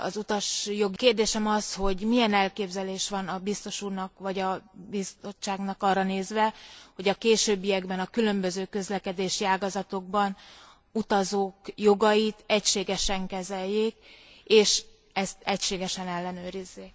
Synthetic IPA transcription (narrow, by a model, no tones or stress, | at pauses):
ɒ̰zut̪ɒʃjo̞ɡikeːrd̪eːʃɛmɒsho̞ɟmijɛnɛlkeːbzɛleːʃʋɒnɒbist̪o̞ʃuːrnɒkʋɒɟɒbist̪o̞t͡ʃːaːɡnɒkɒrːɒneːzʋɛho̞ɟɒkeːʃøːbːijɛɡbɛnɒkylø̞mbø̞zøːkø̞zlɛkɛd̪eːʃiaːɡɒzɒt̪o̞ɡ̚bɒn | ut̪ɒzoːkjo̞ɡɒjit̪ɛcʃeːɡɛʃɛŋkɛzɛjːeːkeːʃ | ɛst̪ɛcʃeːɡɛʃɛnɛlːɛnøːɾizːek